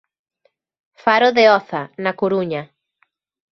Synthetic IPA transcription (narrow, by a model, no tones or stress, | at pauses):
faɾʊðeɔθanakoɾuɲɐ